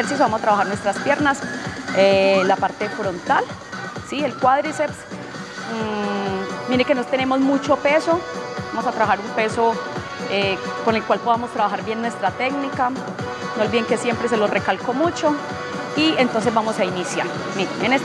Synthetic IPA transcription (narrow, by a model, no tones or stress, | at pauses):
eɾsis̬obamosat̪ɾaβaxaɾnwest̪ɾaspje̞ɾnaselapaɾt̪e̞fɾo̞nt̪al | sielkwaðɾiseps | miɾekenot̪enemo̞zmut͡ʃo̞pe̞so̞bamosat̪ɾaβaxaɾumpe̞so | ekone̞lkwalpo̞ðamost̪ɾaβaxaɾbje̞nːwe̞st̪ɾat̪eɡnika | noolbiðeŋke̞sje̞mpɾe̞s̬e̞lorekalkomut͡ʃo̞ | ient̪onsezbamosainisja̰ɾ | miɾeenes